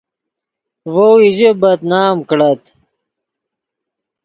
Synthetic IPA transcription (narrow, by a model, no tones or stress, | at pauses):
wowiʑebɐt̪naːmkɽɐt̪